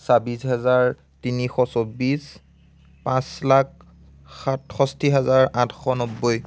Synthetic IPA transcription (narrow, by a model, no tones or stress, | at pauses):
sabisɦɛzaɹ | tinixɔsobis | pãslak | xatxɔstiɦɛzaɹãtʰxɔnɔbːoj